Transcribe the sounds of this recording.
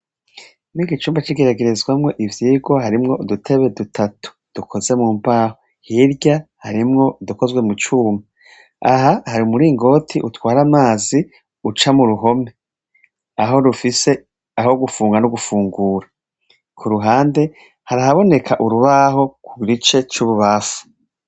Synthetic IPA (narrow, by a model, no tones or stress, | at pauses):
niːɡit͡ʃuːmbat͡ʃiɡeɾaɡe̞ɾezɡwamŋe̞ʔivjiːɡo̞haɾimŋo̞dutʰe̞βe̞dutʰatu̥d̥ukʰo̞ze̞muːmbaːho | hiɾɟahaɾimŋo̞duko̞zɡwe̞mut͡ʃuːmba | aɦahaɾiumuɾiːŋɡo̞tʰiʔutwaːɾamaːzi | ut͡ʃamuɾuɦo̞me | aɦo̞ɾufise̞ | aho̞ɡufuːŋɡanuɡufuːŋɡuːɾa | kʰuɾuɦaːnde̞ | haɾahaβo̞ne̞kʰaʔuɾuβaho̞kuɡiɡit͡ʃe̞t͡ʃuːβuβafu̥